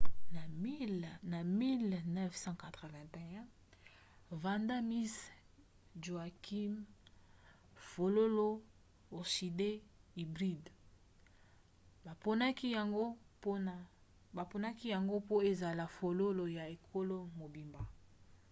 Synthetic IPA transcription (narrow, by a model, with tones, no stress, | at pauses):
na˨mi˦lnɛ˦fsɑ̃˦ka˨t̪ʁə˨vɛ̃˨tɛ̃˨ɛ̃˦ | va˨nda˦mi˦s | ʒo˨a˨kʰi˦m | fo˨lo˦lo˦ | o˨ʃi˨de˦i˨bʁi˦d | ba˨po˦na˦ki˦a˨ŋɡo˦po˦n˨ | ba˨po˦na˦ki˦ja˨ŋɡo˦po˦e˨za˨la˨fo˨lo˦lo˨ja˨e˨kʰo˦lo˦mo˨bi˨mba˨